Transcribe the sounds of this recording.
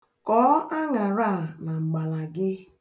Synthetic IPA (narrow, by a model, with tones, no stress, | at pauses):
kɔː˨˦ʔa˦ŋa˨ɾa˦˨na˨ŋ͡m̩˨ɡ͡ba˨la˨ɡɪ˦